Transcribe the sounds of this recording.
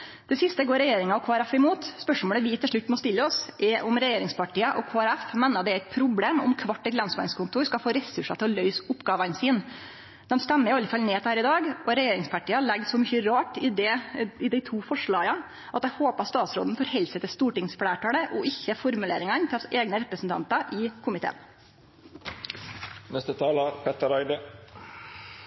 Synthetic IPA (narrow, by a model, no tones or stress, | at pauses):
d̪̥ɛsɪst̪əɡoːɾɛjeːɾɪŋɑɔkʰoːæɾæfɪmuːt̪spœʂmoːləʋɪt̪ʰɪlʂɭʉt̪ːmɔst̪ɪlːəɔsʔɛɾʔʊmɾɛjeːɾɪŋspʰɑʈʰiːɑʔɔkʰoːæɾæfmeːnːɑd̪ɛæɪt̪̚pʰɾʊbleːmʊ̰mkʰʋɑʈːɛt̪lɛnsʋɑ̰ɪnskʊnt̪ʰuːɾskɑlfoːɾɛsʉʂɑt̪ʰɪlɔlœʏsʊpːɡɑːʋɑnsiːn | d̪̥ɛmst̪ɛmːəɾɪɑlːəfɑlneːt̪hæːɾɪd̪ɑːɡɔɾɛjeːɾɪŋspæʈiːɑɭɛɡsɔmʏçəɾɑːʈɪd̪ɛɪd̪æɪt̪ʰuːfɔʂɭɑːɡɑ | ʔɑt̪̚d̪æhoːpəɑt̪st̪ɑːt̪sɾo̰ːd̪n̩fɔɾhɛlsət̪əst̪uːʈɪŋsflæːʈɑːɽəʔɔɪçːəfɔɾmʉleːɾɪŋɑnt̪ʰɛeːɡnəɾɛpɾəsn̩t̪ɑ̰nt̪ɑʔɪːkʰʊmɪt̪ʰḛːn | nɛst̪ət̪ʰɑːlɑpʰɛt̪əɾæɪd̪ə